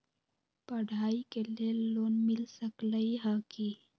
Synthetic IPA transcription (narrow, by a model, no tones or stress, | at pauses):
pɐɽʱaːikeleloːnmilsəkləiɦaki